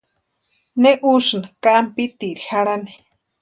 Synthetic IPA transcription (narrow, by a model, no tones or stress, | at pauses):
neʔuʃnakampit̪iɾixaɾani̥